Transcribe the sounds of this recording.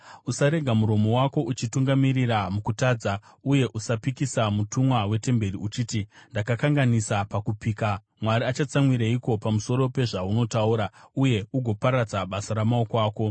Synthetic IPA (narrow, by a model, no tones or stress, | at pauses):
usaɾe̞ɡʱamuɾo̞mo̞wako̞ʔut͡ʃituŋɡamiriramukutaːd͡za | uje̞ʔusapikisamutʰumwawe̞te̞mbe̞riut͡ʃiːtindakakaŋɡanisapakupiːka | mwaɾiat͡ʃat͡samwiɾaiko̞pamuso̞ɾo̞pe̞ʐauno̞tauːɾauje̞uɡʱo̞paɾad͡zaɓasaɾamaokaːko̞